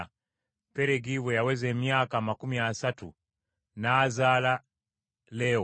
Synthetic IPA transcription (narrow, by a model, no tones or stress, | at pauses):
a | pɛɾɛɡiwɛjawɛzɛmjakamakumiasatṵ | naːzala | lɛɔ